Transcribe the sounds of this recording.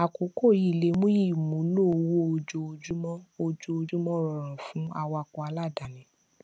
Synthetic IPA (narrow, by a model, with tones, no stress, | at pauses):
a˨ko˨˦ko˦˨ji˦˨le˨˦mũ˦i˦˨mũ˨˦no˦˨wo˦o˧d͡ʒo˧o˧d͡ʒu˦mɔ̃˦o˧d͡ʒo˧o˧d͡ʒu˦mɔ̃˦˨ɾɔ˨ɾ̃ã˨fũ˨˦a˧wa˧kɔ˧a˧la˦˨da˨nĩ˨˦